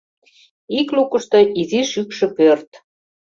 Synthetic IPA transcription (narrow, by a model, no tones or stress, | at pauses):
iklukəʃt̪oʔiziʃykʃĕpørt̪